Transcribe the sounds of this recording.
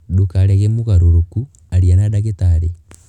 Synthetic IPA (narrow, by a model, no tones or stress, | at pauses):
dokaɾeɣemoɣaɾoɾoku | aɾianadaɣetaɾe